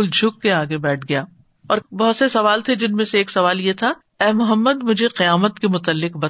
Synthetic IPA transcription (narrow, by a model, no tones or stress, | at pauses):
ʊld͡ʒʱʊkːeaːɡebɛːʈ̚ʰɡɐjaː | ɔːɾbɐɦʊt̪sesɐʋaːlt̪ʰed͡ʒɪnmẽseːksɐʋaːljet̪ʰa | ɛːmʊɦəmːəd̪mʊd͡ʒʱeqɪjaːmət̪kemʊt̪əlːɪqbɐ